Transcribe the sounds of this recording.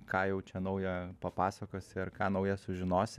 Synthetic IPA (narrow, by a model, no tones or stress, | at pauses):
kɑːjɛʊt͡ʃʲɛnɐʊjɛpɐpɑːsɐkoːsʲɪɐɾkɑːnɐʊjɛsʊʒʲɪnoːsʲɪ